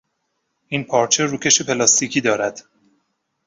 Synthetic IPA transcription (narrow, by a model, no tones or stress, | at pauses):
ʔiːnpʰɒːɾt͡ʃʰeɾuːcʰʲe̞ʃepʰe̞lɒst̪ʰicʰiːd̪ɒːɾæd̪̥